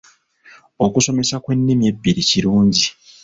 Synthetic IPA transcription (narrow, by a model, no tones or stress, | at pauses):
o̞kuso̞me̞sakwe̞nːimie̞bːiɾiciɾuːɲɟi